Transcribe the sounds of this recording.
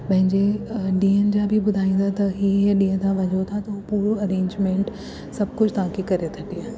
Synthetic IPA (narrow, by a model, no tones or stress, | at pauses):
pɐ̃ɦɪ̃ɲd͡ʑeɖiːənd͡ʑabʱibʊd̪ʱaːĩnd̪ʰat̪ɐɦiːeɗiːə̃t̪ʰãʋɐd͡ʒot̪ʰat̪ɐopuːɾoɐɾẽːɲd͡ʑmẽːɳʈ | sɐb̚ʱkʊd͡ʑʰt̪ɐɦãkikɐɾet̪ʰɐʈiaː